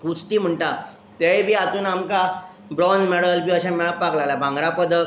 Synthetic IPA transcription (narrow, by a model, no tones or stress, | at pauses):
kut͡st̪iːm̤əɳʈa | t̪eibʱiːat̪uːnamka | bɾɔnd͡zmɛɽəlbiːəɕamɛɭpaklalabʱãŋɡɾapəd̪ə